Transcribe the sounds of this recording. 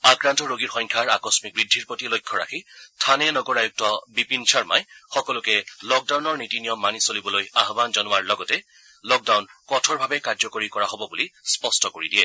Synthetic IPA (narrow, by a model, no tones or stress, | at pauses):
akɹantɔɹoɡiɹxɔjŋkʰaɹakɔsmik̚bɹidʱːiɹpotilojkʰːɔɹa̰xʰitʰanɛnɔɡɔɹajuk̚tɔbipint͡ʃʰaɹma̰jxɔkɔlʊkɛlɔk̚dawnɔɹnitinijɔmːanisolibɔlojaɦbanzɔnʊwaɹlɔɡɔtɛ | lɔk̚dawnkɔtʰɔɹbʱabɛkaɹzɔkoɹikɔɹaɦobɔbulispɔstɔkoɹidiɛ